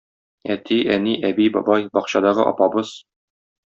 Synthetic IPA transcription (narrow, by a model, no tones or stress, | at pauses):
æt̪ʰiʔæniʔæbijbɒ̰bɑjbɒqɕɑd̪ɑʁɤʔɒ̰pɑbɤz̥